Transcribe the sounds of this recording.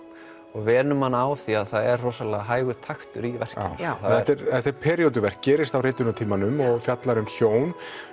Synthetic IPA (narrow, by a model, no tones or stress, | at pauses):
ɔɣvɛːnʏmhanːaːwθiaðθaðɛrrɔːsalɛɣaɦaːjɣʏt̪ʰaxt̪ʏɾivɛr̥cɪθaðɛt̪ɛɾθɛht̪ɛɾpʰɛːɾiowt̪̬ʏvɛr̥k̚cɛːɾɪst̪awrejt̪ʏnat̪ʰiːmanʏmɔɣfjat̪laɾʏmçoːwn